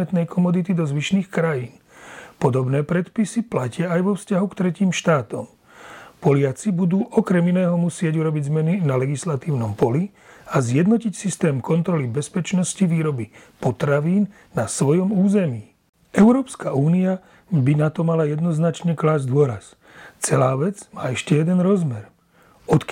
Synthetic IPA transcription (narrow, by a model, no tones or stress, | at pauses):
ɛt̪nɛjkʰɔmɔd̪it̪id̪ɔzʋiʃniːxkɾajiːnpɔd̪ɔbnɛːpɾɛt̪pisiplacɪaajʋɔfscaɦukt̪ɾɛciːmʃt̪aːt̪ɔm | pɔlɪat͡sibud̪uːʔɔkɾɛminɛːɦɔmusɪɛɟuɾɔbiɟzmɛninalɛɡislat̪iːʊnɔmpɔli | azjɛd̪nɔcicsist̪ɛːmkɔnt̪ɾɔlibɛspɛt͡ʃnɔsciʋiːɾɔbipɔt̪ɾaʋiːnːasʋɔjɔmuːzɛmiː | ɛʊɾɔːpskauːnia | binat̪ɔmalajɛd̪nɔznat͡ʃɲɛklaːzd̪ʊɔɾa̰s | t͡sɛlaːʋɛd͡zmaːɛʃcɛjɛd̪ɛnɾɔzmɛɾ | ɔt̪k